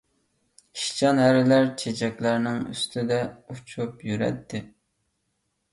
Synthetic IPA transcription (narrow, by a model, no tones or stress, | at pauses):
ʃi̥t͡ʃʰɑnɦæɾɪlæɾt͡ʃʰet͡ʃʰɛkʲlæɾnɪŋy̰st̪ʰɪd̪ɛut͡ʃʰupjyɾɛ̰t̪ʰːɪ